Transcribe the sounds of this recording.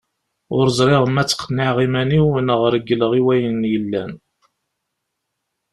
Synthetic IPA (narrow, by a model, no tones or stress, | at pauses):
ʊɾzˤɾˤɪʁəmæt͡sːə̥qʰːnːɪʕʁimæniwnəʁɾəɡːləʁiwæjənjəlːæn